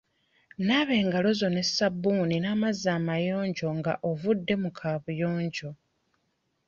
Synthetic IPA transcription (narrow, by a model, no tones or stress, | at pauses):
naβe̞ːŋɡalo̞zo̞ne̞sabːuːninaːmazaːmajo̞ːɲɟo̞ŋɡa̰ʔovudːe̞mukʰaːβujo̞ːɲɟo̞